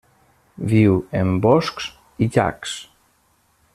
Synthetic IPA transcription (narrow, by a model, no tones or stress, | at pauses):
βiwembɔsks | iʎa̰ks